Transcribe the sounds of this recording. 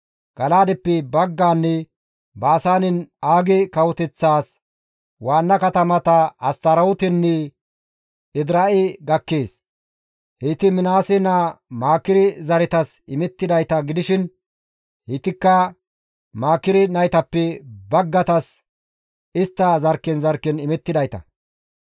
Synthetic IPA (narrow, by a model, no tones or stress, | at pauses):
ɡ̥ɐlaːd̪ɛpːɛbɐɡːaːnːɛ | baːsaːnɪnaːɡɪkɐwɔt̪ɛt͡sːaːs | waːnːɐkɐt̪ɐmɐt̪ɐɐst̪ɐɾɐʊt̪ɛnːɛ | ɪd̪ɾɐʔɪɡɐkːeːs | hɪt̪ɪmɪnaːsɪnɐmaːkːɪɾɪzɐɾɛt̪ɐsɪmɛt̪ːɪd̪ɐjt̪ɐɡɪd̪ɪʃɪn | hɪt̪ːɪkːɐ | maːkɪɾɪnɐjt̪ɐpːɛbɐɡːɐt̪ɐs | ɪst̪ːɐzɐɾkːɛnzɐɾkːɛnɪmɛt̪ːɪd̪ɐjt̪ɐ̰